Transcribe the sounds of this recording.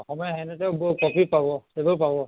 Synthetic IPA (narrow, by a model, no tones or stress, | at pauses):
ɔxɔmɔjaɦɛnɛtɛʊbɔkɔpipabɔebɔpabɔ